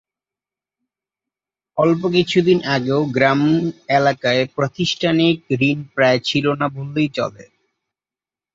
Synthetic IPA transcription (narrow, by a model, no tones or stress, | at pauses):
ɔlp̬ok̬it͡ɕʰud̪inʔaɡeoɡɾamelakaepɾot̪iʃʈʰanik̚ɾinpɾaet͡ɕʰilonabolːejt͡ɕɔ̰lḛ